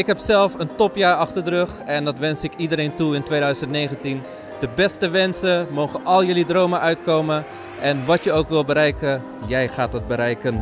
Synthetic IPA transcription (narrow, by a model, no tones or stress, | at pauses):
ɪkɦɛpsɛlˠfəntɔpjaːɹɑxtərdrøxɛndɔtʋɛnsɪkidəɾeːntuɪntwʋeːdœɥsəntneːɣəntin | d̥əbɛstəʋɛnsəmoːɣəʔɔlˠjəlidroːwməʔœɥtkoːmə | ʔɛnʋɔtjəowkʋɪlˠbəɾɛjkə | jɛjxaːtət̚bəɾɛjkən